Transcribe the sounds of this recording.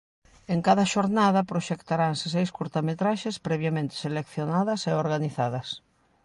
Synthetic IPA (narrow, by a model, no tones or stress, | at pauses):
eŋkaðɐʃoɾnaðɐpɾoʃɛkt̪aɾaŋsɪsejskuɾt̪amet̪ɾaʃespɾɛβjamẽnt̪ɪ̥selekθjonaðɐseoɾɣaniθaðɐs